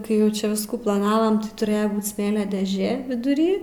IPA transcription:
kɐɪ ˈjɛʊ ˈt͡ʃʲɛ ˈʋʲɪskuː plˠɐˈnɑːʋɐm tʲɪ tʊˈrʲeːjɛ ˈbuːt ˈsʲmʲeːlʲoː dʲeːˈʒʲeː ʋʲɪdʊˈrʲiː

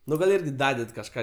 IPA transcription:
ˈnʊ ɡɐlˠ ˈɪrʲɡʲɪ ˈdɑːdʲɛt kɐʃˈkɑː

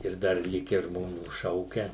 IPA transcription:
ɪr ˈdɐr ˈlʲɪkʲæː ʒmoːˈnʲuː ˈʃɐʊkʲɛ

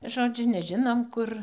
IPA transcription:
ˈʒoːd͡ʒʲʊ nʲɛˈʒʲɪnoːm ˈkʊr

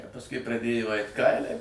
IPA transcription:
ɐ pɐsˈkʊɪ prɐˈdʲeːjoː ˈɐɪt ˈkɐɪlʲɛɪ

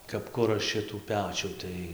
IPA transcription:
kɐp ˈkʊrɐ ˈʃʲɪtuː ˈpʲæːt͡ʃʲuː ˈtɐɪ

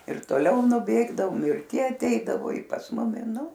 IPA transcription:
ɪr toːˈlʲɛʊ nʊˈbʲeːɡdɐʋoːm ɪr ˈtʲiɛ ɐˈtʲɛɪdɐʋoː ɪ pɐs ˈmʊmʲɪ ˈnʊ

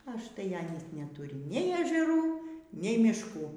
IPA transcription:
ɐʃˈtɐɪ ˈɑːnʲiːs nʲɛˈtʊrʲɪ nʲɛɪ ɛʒʲɛˈruː nʲɛɪ mʲɪʃˈkuː

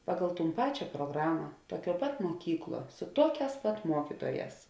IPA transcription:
ˈpɑːɡɐlˠ ˈtuːn ˈpɑːt͡ʃʲɛ pruɔˈɡrɑːmɐ ˈtuɔˌkʲuɔ pɐt muɔˈkʲiːkˌlˠuɔ sʊ ˈtuɔˌkʲɛːs pɐt ˈmuɔkʲɪtuɔˌjɛːs

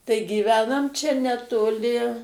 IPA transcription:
tɐɪ ɡʲiːˈʋʲæːnɐm ˈt͡ʃʲɛ nʲɛtoːˈlʲɪ

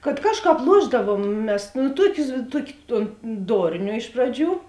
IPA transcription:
kɐt ˈkɑːʃˌkɑːp ˈlˠuɔʒdɐʋuɔm ˈmʲɛs nʊ ˈtuɔkʲʊs ˈtuɔkʲɪ toːn ˈdoːrʲnʲoː ˈɪʃ prɐˌd͡ʒʲuː

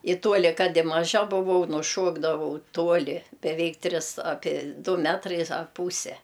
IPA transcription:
ɪ ˈtuɔlʲɪ ˈkɐt ɪ mɐˈʒɐ bʊˈʋɐʊ nʊˈʃuɔɡdɐʋɐʊ ˈtuɔlʲɪ bʲɛˈʋʲɛɪk ˈtʲrʲɪs ˈɑːpʲiɛ ˈdʊ ˈmʲæːtrɐɪs ɐr ˈpuːsʲɛ

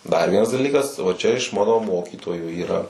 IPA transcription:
dɐr ˈʋʲiɛnɐs dɐˈlʲiːkɐs ʋɐ ˈt͡ʃʲɛ ɪʃ ˈmɑːnoː ˈmoːkʲiːtoːjuː iːˈrɐ

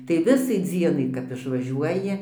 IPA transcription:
tɐɪ ˈʋʲɪsɐɪ ˈd͡zʲiɛnɐɪ kɐp ɪʃʋɐˈʒʲuɔjɪ

